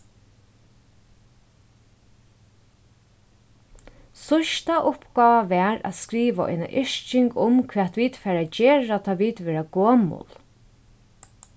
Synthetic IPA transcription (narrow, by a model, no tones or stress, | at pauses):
sʊʃt̪aʔʊpɡɑːʋaʋɛːɾa̰skɾiːʋaɔ̰jna̰ʔɪʃt͡ʃɪŋkʊmkʰʋɛːt̪ʋiːt̪fɛːɾad͡ʒɛːɹat̪ʰɑːʋiːt̪ʋɛːɾaɡoːmʊ̰l